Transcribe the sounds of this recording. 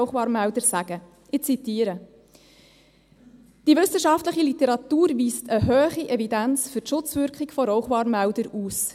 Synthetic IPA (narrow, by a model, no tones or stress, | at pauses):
χʋɑːɾmældəɾsæɡ̥ə | ɪt͡sitiːəɾə | d̥iʋʏsəʃɑftləχilit̪ɛɾɑt̪uːɾʋiːstəɦøːχiʔɛvidænt͡sfʏrtʃʊt͡sʋʏɾkχɪɡfɔɾɔʊχʋɑːɾmæʊdəɾuːs